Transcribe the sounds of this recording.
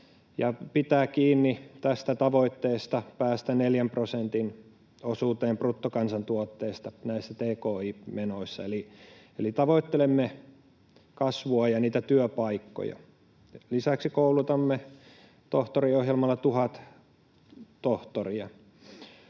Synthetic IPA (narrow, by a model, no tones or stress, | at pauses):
jɑpit̪æːkiːnːit̪æst̪æt̪ɑʋoit̪ːeːst̪ɑpæːst̪æneljæmprosent̪in | osuːt̪eːmprut̪ːokɑnsɑnt̪uot̪ːeːist̪ɑnæisːæt̪eːkoːiːmenoisːɑ̰eli | elit̪ɑʋoit̪ːelemːe | kɑsʋuɑjɑniːt̪æt̪yøpɑikːo̰jɑ̰ | lisæksikoulut̪ɑmːe | t̪oht̪oriohjelmɑlːɑt̪uhɑt̪ | t̪oht̪oriɑ